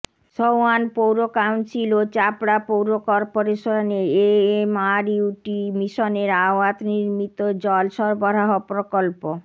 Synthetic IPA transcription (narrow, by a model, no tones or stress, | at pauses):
sowanpowɾokawɳʈsilot͡ɕapɽapowɾokɔɾpoɾeʃoneemaɾiuʈimiʃoneɾaoat̪niɾmit̪od͡ʑɔlʃɔɾbɔɾaɦopɾokolpo